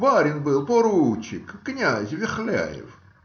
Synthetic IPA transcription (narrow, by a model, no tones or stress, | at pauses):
baɾʲɪnbɨlˠpɔɾut͡ɕɪkknʲazʲvʲɪxlʲæ̰jɪ̰f